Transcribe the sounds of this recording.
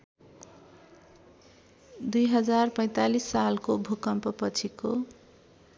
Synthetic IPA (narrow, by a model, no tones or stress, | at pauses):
d̪ujɦʌd͡zarpʌj̃t̪alisːalkobʱukʌmpʌpʌt͡sʰiko